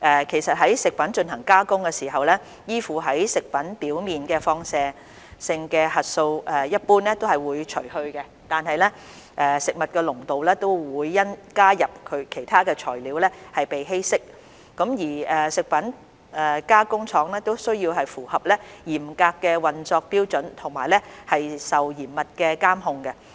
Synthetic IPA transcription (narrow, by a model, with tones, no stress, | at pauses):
ʔɛː˨kʰe˨˩jsɐ˨t̚ɦɐ˨˥jsɪ˨k̚pɐ˨˥nt͡ʃɵ˧nhɐ˨˩ŋkaː˥kʊ˥ŋkɛː˧siː˨˩ɦɐ˨wlɛː˥ | jiː˥fuː˨ɦɐ˨˥jsɪ˨k̚pɐ˨˥npiː˨˥wmiː˨nkɛː˧fɔː˧ŋsɛː˨˧ | sɪ˧ŋkɛː˧hɐ˨t̚so˧wɛː˨jɐ˥t̚puː˥nlɛː˥t̪o˥whɐ˨jwuː˨˧jt͡ʃʰɵ˨˩ɥhɵ˧ɥkɛ˧ | t̪aː˨nɦɐ˨jlɛ˥ | ʔɛː˨sɪ˨k̚mɐ˨t̚kɛː˧lʊ˨˩ŋt̪o˨wlɛː˥t̪o˥wwuː˨˧jːɐ˥nkaː˥jɐ˨p̚kʰɵ˨˧ɥkʰe˨˩jt̪ʰaː˥kɛː˧t͡ʃʰɔː˨˩jliː˨˥wlɛ˥hɐ˨jpe˨jɦe˥jsɪ˥k̚ː | ɐ˨˥mjiː˨˩ɛː˨˩sɪ˨k̚pɐ˨˥n | ɛː˨˩kaː˥kʊ˥ŋt͡sʰɔː˨˥ŋlɛː˥t̪o˥wsɵ˥ɥjiː˧wɦɐ˨jfuː˨˩hɐ˨p̚lɛː˥jiː˨˩mkaː˧kːɛː˧wɐ˨nt͡sɔː˧k̚piː˥wt͡ʃɵ˨˥nt̪ʰʊ˨˩ŋmaː˨˩jlɛ˥hɐ˨jsɐ˨wjiː˨˩mmɐ˨t̚kɛː˧kaː˥mɦʊ˧ŋkɛ˧